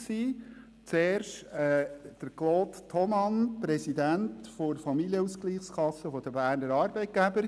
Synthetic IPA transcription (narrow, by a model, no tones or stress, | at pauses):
siː | t͡seːrʃtɛd̪̥əɾkloːt̪tʰɔmɑnpɾɛsidæntfoɾfɑmiljəuskliːχskʰɑsːəfɔd̥əbæːrnəɾɑːɾbɛɪt̚ɡ̥æbəɾ